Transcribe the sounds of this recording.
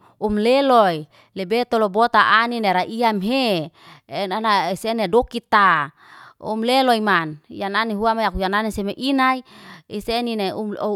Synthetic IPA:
umleloi | lebet̪olobot̪aʔanineɾaʔiamɦe | nanaisenedokit̪a | ṵmleloimanjananiɦuamajakujananisemeʔinaiisenineu

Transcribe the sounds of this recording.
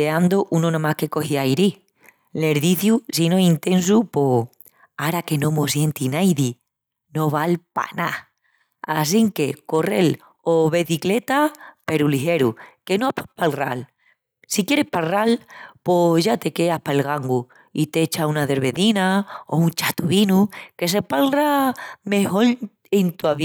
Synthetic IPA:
eand̪oʔunonõmahke̞ko̞hiajɾi | le̞ɾðiθjusino̞int̪ẽ̞nsupo̞ | aɾake̞nõ̞mo̞sje̞nt̪inajði | no̞βalpa̰na̰ | asiŋke̞ko̞re̞l | oβeθikle̞t̪ape̞ɾuliɦe̞ɾuke̞noapapalra̰l | sikje̞ɾe̞hpalralpoʝat̪e̞ke̞ahpaelɣaŋɡu | it̪eet͡ʃaunaðe̞ɾβe̞ðinaount͡ʃat̪uβinuke̞s̬e̞palrame̞ho̞l | ent̪uaβ

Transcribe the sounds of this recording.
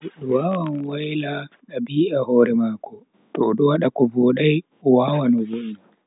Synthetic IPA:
waːwanwajlaɗabiːʔahɔːɾɛmaːkɔ | tɔɗɔwaɗakɔvoːɗaj | wawanɔzulːa

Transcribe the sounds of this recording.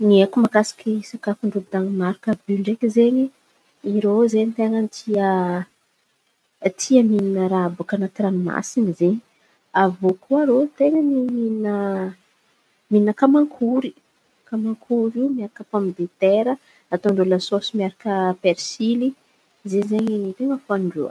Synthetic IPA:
niekumakasḁkisakafuɳɖ͡ʐubid̪aŋimaɾkəbyɳɖ͡ʐekizeɲi | iɾozenit̪eŋənit̪ʰiə | t̪ʰiamininəɾabakanak̪ɾanma̰sinizeɲi̥ | avokʰuaɾot̪eŋəniminə | miinəkamaŋkʰuɾi̥ | kamaŋkʰuɾimiaɾakəpamd̪et̪eɾə | at̪oɳɖ͡ʐoləsosimiaɾakəpeɾsili | zeɲzeɲenit̪eŋəfaɳɖ͡ʐuə̰

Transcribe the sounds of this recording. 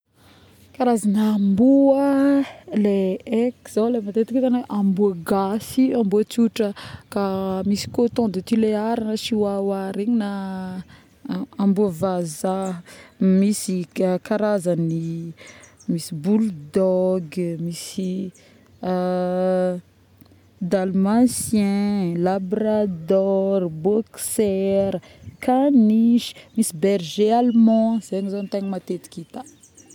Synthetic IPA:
kaɾazanːmbuə | leekz̥awlemat̪et̪iket̪anaʔambuəɡasiambuət͡suʈ͡ʂəkamisi̥kot̪õnd̪et̪ileaɾanəʃiwawaɾeɲina | ambuəvaza | misikaɾazani | misibuld̪ɔɡmisi | d̪almãsjɛ̃labrɾad̪ɔrbɔksɛɾə | kaniʃi̥misibɛrʒealmɔ̃z̥eɲizant̪aɲimat̪et̪i̥kit̪a

